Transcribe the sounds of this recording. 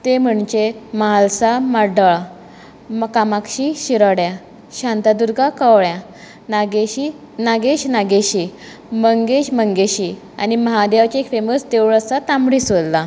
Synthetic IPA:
t̪em̤əɳt͡ɕemaalsaməɖəɭ | mkamakɕiɕiɾəɽja | ɕãnt̪ad̪uɾɡakəʋɭja | naɡeɕi | naɡeɕnaɡeɕi | məŋɡeɕməŋɡeɕi | a̰niməɦad̪eʋt͡ɕeekfeməst̪eʋɭəsat̪ambɽisʋəlla

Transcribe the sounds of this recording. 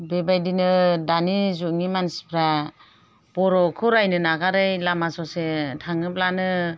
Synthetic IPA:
bebajdinɯdanizuŋimanspʰɾa | b̥ɔɾɔkʰɯɾajnɯnaɡaɾajlamasɔsetʰaŋɯplanɯ

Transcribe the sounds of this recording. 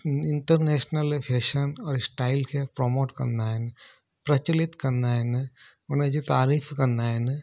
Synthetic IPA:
ɪɳʈəɾneːʃnəlpʰeːʃənɔːɾsʈaːɪlkepɾomoːʈkɐ̰ɾnd̪aːen | pɾɐt͡ʃɐlɪt̪kɐɾnd̪aːen | ʊned͡ʒit̪aːɾiːfʰkɐɾnd̪aːen

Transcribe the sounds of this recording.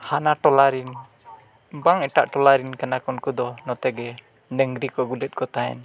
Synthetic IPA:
hanaʈɔlaɾin | baŋɛʈaʔʈɔlaɾinkanakɔnkɔd̪ɔnɔt̪ɛɡɛ | ɖɛŋɡɾikɔɡulɛt̪̚kɔt̪aɛ̰n

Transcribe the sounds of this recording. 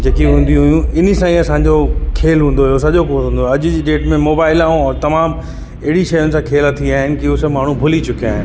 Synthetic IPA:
d͡ʑeːkiɦũːnd̪iɦʊjũɪnəsãiɐsãːɲd͡ʑokʰeːlɦũːnd̪oɦjosɐʄokot̪ũːnd̪oɐʄʊ̆d͡ʑiːɗeːʈmẽmoːbaːɪlaːũɔːɾt̪ɐmaːm | ɐɦɪɽiʃɐjʊnɪ̆sãkʰeːlat̪ʰiaːɦɪnɪ̆kiʊsmaːɳ̤ũbʱʊlit͡ɕʊkia̰ːɦɪn

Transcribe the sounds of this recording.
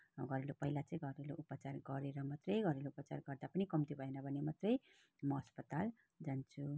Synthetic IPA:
ɡʱʌɾelopʌɦilat͡sʌ̃ĩɡʱʌɾeloʔupʌt͡sarɡʌɾeɾʌmat̪rʌjɡʱʌɾeloupʌt͡sa̰rɡʌrd̪apʌnikʌmt̪ibʱʌenʌbʱʌnemat̪rʌj | mʌɦʌspʌt̪al | d͡zant͡sʰu

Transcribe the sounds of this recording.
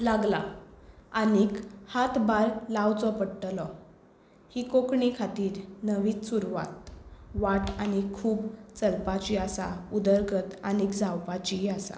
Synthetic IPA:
laɡla | anikhat̪baɾlawt͡sɔpəɽʈ̪lɔ | hikokɳikʰat̪iːɾnəʋiːt͡ssuɾʋa̰t̪̚ʋaʈañikʰuːbt͡səlpat͡ɕiasaud̪əɾɡət̪anikd͡zawpat͡ɕiasa̰

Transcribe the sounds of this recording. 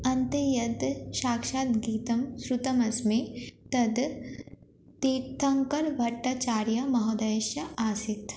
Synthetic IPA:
ɐnt̪ejɐd̪ʃaːkʃaːt̪ɡiːt̪ɐmsɾut̪ɐmɐsmet̪ɐd̪ | t̪iːt̪ʰːɐŋkɐɾʋʱɐʈːat͡ʃaːɾjɐmɐɦɔːd̪ɐjʃjɐaːsɪt̪

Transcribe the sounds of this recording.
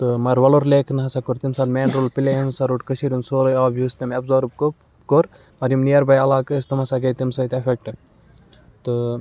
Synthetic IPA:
t̪ɨmɐɾʋɐloɾleːknɦɐsakoɾt̪imsad̪mʲeːnɾoːlpileɐnsaɾuʈkɐsiɾʲunsoːlɐjaːbjuːst̪ɐmɐbzɐːɾb̚k | koɾ | mɐɾʲjɐmnijɐɾbɐjɐlaːkəːst̪ɐmɐsaɡɐjt̪imsɐjt̪efek̚ʈɨ | t̪ɨ

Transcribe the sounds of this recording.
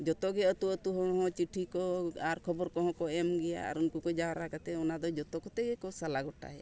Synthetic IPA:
d͡ʒɔt̪ɔɡɛət̪uət̪uɦɔ̃ɔɦɔ̃t͡ʃiʈʰikɔaɾkʰɔbɔɾkɔɦɔ̃kɔɛmɡɛja̰a̰ɾunkukɔd͡ʒawaɾakat̪ɛɔnad̪ɔd͡ʒɔt̪ɔkɔt̪ɛɡɛkɔsalaɡɔʈa̰ɦɛ

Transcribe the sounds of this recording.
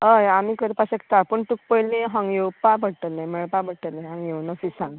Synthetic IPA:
əjamiːkəɾpaɕek̚t̪apəɳʈuk̚pəjlẽɦãŋɡjewpabʱəɽʈ̪əlːãjməɭpabʱəɽʈ̪əlnãɦãŋɡjewnəfisãŋɡ

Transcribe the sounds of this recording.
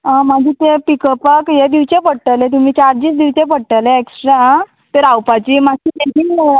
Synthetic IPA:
ɦãmaɡʱiːt̪epikəpəkjed̪iʋt͡ɕepəɽʈəlẽt̪̬um̤iːt͡ɕaɾd͡ʑiːt͡sd̪iʋt͡ɕẽp̬əɽʈəleeksʈɾa | t̪eɾawpat͡ɕiːmaɕiːʈiʈiŋɡme

